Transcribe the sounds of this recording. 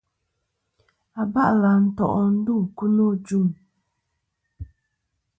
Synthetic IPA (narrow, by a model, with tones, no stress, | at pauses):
a˨ba˦ʔla˨n̩˦tɔ̰˨ʔɔ˨n̩˦du˦˨ku˦no˦˨d͡ʒu˦˨m